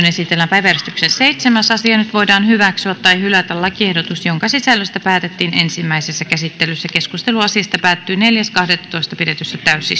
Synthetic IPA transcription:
nesit̪elːæmpæjʋæryst̪yksessejt̪semæsɑsiɑnyt̪ʋo̞idɑːnhyʋæksyæt̪ːɑjhylæt̪ællɑkiehdot̪usjoŋkɑsisælːøst̪æpæːt̪et̪ːiːnensimːæisesːækæsit̪ːelysːækeskust̪eluɑsiɑst̪ɑpæːt̪ːyːneljæskɑhdet̪ːt̪oist̪ɑpidet̪ysːæt̪æysi

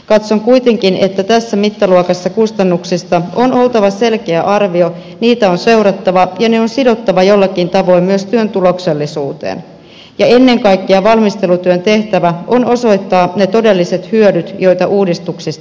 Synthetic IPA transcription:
kɑt̪so̞ŋkujt̪e̞ŋk̟ine̞t̪ːæt̪æsːæmit̪ːɑluokɑsːɑkust̪ɑnːuksist̪ɑo̞no̞lt̪ɑʋɑse̞lke̞æʔɑrʋio̞ | niːt̪æo̞nse̞wɾɑt̪ːɑʋɑjɑne̞onsido̞t̪ːɑʋɑjo̞lːɑkint̪ɑʋo̞immyøst̪yønt̪ulo̞kse̞lːisuːt̪ḛːn | jɑe̞nːe̞ŋkɑjkːiɑʋɑlmist̪e̞lut̪yønt̪e̞ht̪æʋæo̞no̞so̞jt̪ːɑːne̞t̪o̞de̞lːise̞t̪hyødyt̪jo̞jt̪ɑʔuːdist̪uksist̪

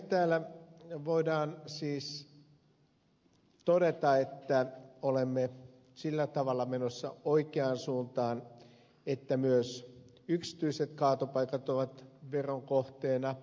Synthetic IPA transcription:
t̪æːlːæʋoidɑːnsiːs | t̪oɾet̪ɑet̪ːæolemːe | silːæt̪ɑʋɑlːɑmenosːɑ̰oikeɑnsuːnt̪ɑːn | et̪ːæmyøs | yksi̥t̪yiset̪kɑːt̪opɑikɑt̪oʋɑt̪ʋeroŋkoht̪eːnɑ

